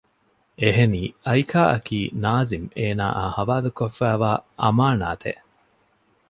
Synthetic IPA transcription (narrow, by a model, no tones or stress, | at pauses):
ʔeɦeniːɐjkʰaːʔɐkiːnaːzimeːna̰ːʔaːhɐʋaːlukofːæːʋaːʔɐmaːnaːt̪ʰḛ